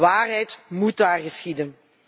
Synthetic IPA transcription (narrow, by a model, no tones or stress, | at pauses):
aːrɦɛjtmutaːrɣəsxidən